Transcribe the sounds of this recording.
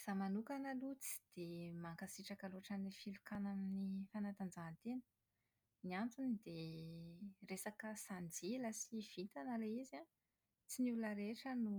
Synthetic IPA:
z̥amanukanalut͡si̥d̪̥emaŋkasiʈ͡ʂakaloʈ͡ʂanifilukanaminifanat̪and͡zant̪enə̥ | niant͡sunid̪e | resakəsand͡ziləsiv̥it̪anəleiza | t͡sinulunəɾeʈ͡ʂənu

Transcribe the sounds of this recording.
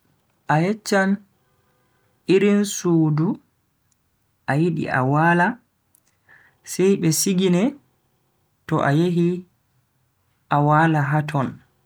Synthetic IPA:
ʔajɛt͡ʃːan | iɾinsuːdu | ʔajiɗḭʔa̰waːla | sɛjɓɛsiɡinɛ | tɔ̰ʔa̰jeɦi | ʔawaːlaɦatʰɔn

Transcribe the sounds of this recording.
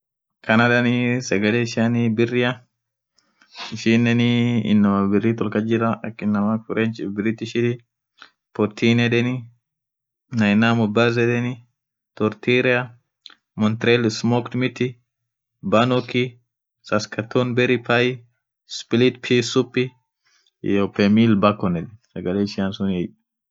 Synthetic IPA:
kʰɐnɐd̪ɐnɪsɛɡɐleɪʃɐnɪbɪrːɪjɐ | ɪʃinːɛnɪɪ̰nːɐmɐbɪrːɪt̪ɔlkɐd͡ʒɪɾɐɐkːɪnːɐmɐkʊɾʔent͡ʃɪbɪɾɪt̪ːɪʃɪt̪ɪ | pɔɾt̪ʰiːnɛd̪ɛnɪ | nɐjnamʊbazɛd̪ɛnɪ | t̪ɔɾt̪iɾɪɐ | mɔnt̪ɾelsmokt̪mɪt̪ːɪ | bɐnɔki | sɐskɐt̪ʰːonbɛɾɪpʰɐj | spɪlit̪pʰisʊpːɪ | jopːɛmiːlbɐkːɔnɛd̪ɛsɐɡɐleːɪʃɪɐnsʊnɛj

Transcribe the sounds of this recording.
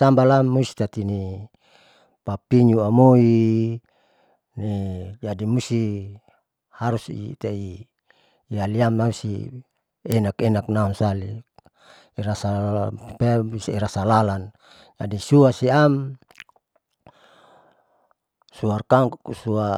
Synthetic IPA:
t̪ambalamːusi̥t̪at̪ini | papiɲuamoi | ned͡ʒadimusi | haɾusḭt̪eiː | aliamnausḭ | enakenaknaunsali | iɾasapɛbisiɾasalalan | d͡ʒa̰disuasiam | suarkaŋkuksua

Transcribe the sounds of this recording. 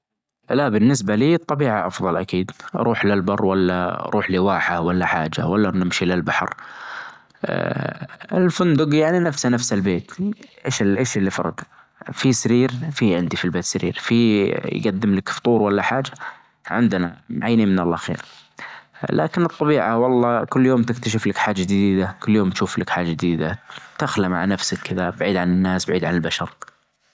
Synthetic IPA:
laʔbɪnːɪs̬baliːɨt̪ˤːɑbiːʕaʔɑfðˤɑlʔakiːd̪ɾˤʔuːħlɪlbɑrˤːwalːa̰ɾˤʔuːħliwaːħawalːaħa̰ːd͡ʒa̰walːanɪmʃilɪlbaħɑ̰ɾ | ɪ̰lfʊnd̪ʊɡjaʕninafsanafsalbeːt̪ʔeːʃʔeːʃɪlːifɑ̰ɾˤɑd̪ | fisaɾiːɾfiʕɪnd̪ifilbeːt̪saɾḭːɾfijɡad̪ːɪmlakft̪ˤuːɾwalːaħaːd͡ʒa | ʕɪ̰nd̪na̰mʕajːniːnmɪnalːaxḛːɾ | lʔa̰ːkɪnɨt̪ˤːɑbiːʕawɑlˤːɑːkʊlːjoːmt̪ɪk̚t̪aʃ̬ɪflakħaːd͡ʒːad͡ʒɪd̪iːd̪akʊlːjoːmt̪ʃuːflakħaːd͡ʒad͡ʒɪd̪iːd̪a̰t̪axlama̰ʕanafsakʰːɪðabaʕiːd̪ʕanɪnːaːsbaʕiːd̪ʕanɪlbaʃɑɾˤ

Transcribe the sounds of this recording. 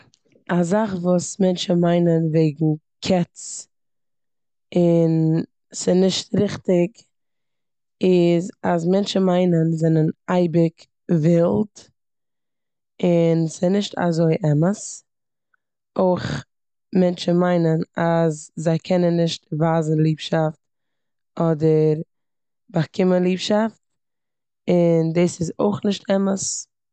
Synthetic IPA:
azaχvuːsmɛnt͡ʃən̩maɪnənveɪɡŋ̩ | kʰɛt͡s | ɪn | sɪnɪʃtɾɪχtɪk | ɪzazmɛnt͡ʃn̩maɪnənzɛnənaɪbɪk | vɪlˠd | ɪnsɪnɪʃtʰa̰zoɪʔɛməs | oɪχ | mɛnt͡ʃən̩maɪnənazzaɪkʰɛnənːɪʃtvaːzn̩lˠiːpʃaft̚ | ɔdəɾ | baχkʰɪmənlˠiːpʃaft | ɪndeːsɪzo̰ɪχnɪʃtʰɛməs

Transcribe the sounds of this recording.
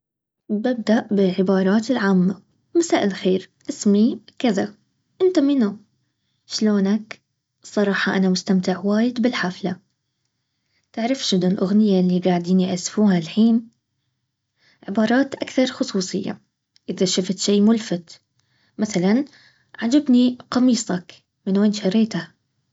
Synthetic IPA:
bɪb̚d̪aʔbɪlʕɪbɑːɾˤɑːt̪ɪlʕaːmːa | masaːʔɪlxeːɾʔɪsmikɪða | ʔɪnt̪amɪna | ʃloːnak | sˤɑɾˤɑːħɑʔanamʊst̪amt̪ɪʕwaːjɪd̪bɪlħafla | t̪ɪʕɾˤɪfʃɪnʊlʔʊɣnɪjːalːiɡaːʕd̪iːniʕasfuːhalħiːn | ʕɪbɑːɾˤɑːt̪ʔakθɑɾˤxʊsˤuːsˤɨ̰jːa̰ | ʔɪðaʃaft̪ʃiːmʊlfɪt̪ | maθalan | ʕad͡ʒabniqɑmiːsˤɑk | mɪnweːnʃɑɾˤeːt̪a

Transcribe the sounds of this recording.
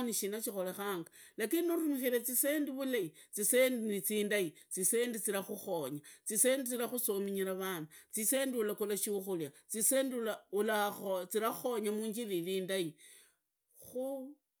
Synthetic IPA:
niʃinat͡ʃixo̞lexaːŋɡalakiniuɾumixiɾet͡sise̞ːndiβulait͡sisendinit͡siːndait͡sise̞ːndit͡siɾaxuxo̞ɲat͡sisendit͡siɾaxusomiɲiɾaβanat͡sise̞ndiulakolaʃiuxuljat͡sisendilaulaot͡siɾaxo̞ɲamuːɲd͡ʒililiːndai | xu

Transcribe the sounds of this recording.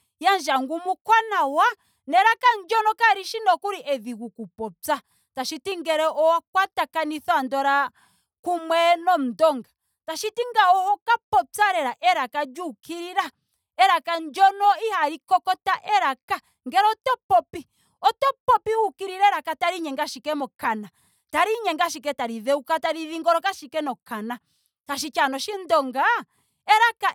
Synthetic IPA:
jand͡ʒaŋɡumukwanawa | nɛɾakand͡ʒɔnɔkaɾiʃinɔkuɾiʔɛðiɣukupɔt͡sa | taʃitiŋɡɛɾɛʔɔwak̚watakaniθɔandɔɾa | kumwɛnɔm̩dɔŋɡa | taʃitiŋɡaɔhɔkapɔt͡saɾɛɾaʔɛɾakad͡ʒukiɾiɾa | ɛɾakaɲd͡ʒɔnɔihaɾikɔkɔtaʔɛɾaka | ŋɡɛɾɔtɔpɔpi | ɔtɔpɔpiukiɾiɾɛɾakataɾiɲɛŋɡaʃikɛmɔkana | taɾiɲɛŋɡaʃik̬ɛtaɾiðɛukataɾiðiŋɡɔɾɔkaʃikɛnɔkana | taʃ̬it͡ʃanɔʃindɔŋɡa | ɛɾaka

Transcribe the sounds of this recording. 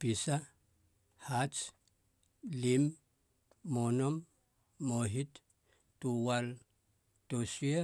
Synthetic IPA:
pisa | hat͡ʃ | limː | onomː | oɦit | tuwal | tosia

